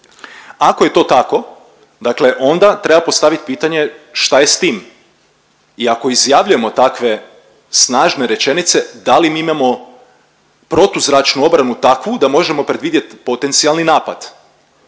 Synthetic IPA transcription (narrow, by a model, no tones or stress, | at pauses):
akoje̞t̪o̞ːt̪ako̞ | d̪akle̞ʔo̞nd̪at̪ɾe̞bapo̞st̪aʋit̪̚piːt̪aɲe̞ʃt̪ajest̪iːm | iako̞izjaʋʎuje̞mo̞t̪akʋe̞ | snaːʒne̞ɾe̞t͡ʃe̞nit̪se̞d̪alimiimamo̞ | pɾo̞t̪uzɾat͡ʃnuo̞bɾanut̪akʋud̪amo̞ʒe̞mo̞pɾe̞d̪ʋiːd̪je̞t̪po̞t̪e̞nt̪sialˠninaːpa̰d̪̥